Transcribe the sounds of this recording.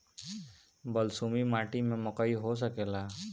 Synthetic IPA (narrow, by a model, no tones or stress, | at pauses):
bəlsuːmimaːʈimẽmʊkəiɦos̬əkeːlaː